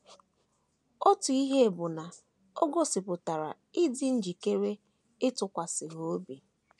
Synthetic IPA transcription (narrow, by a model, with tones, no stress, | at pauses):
o˦tʊ˨i˦ɦe˦˨bʊ˨na˨ | o˦ɡo˦sɪ˨pʊ˨ta˨ɾa̰˨ | ɪ˦dɪ˦n̩˦d͡ʒi˨ke˦ɾe˦ | ɪ˦tʊ˨kʷa˨sɪ˨ɦo˦o˦bi˨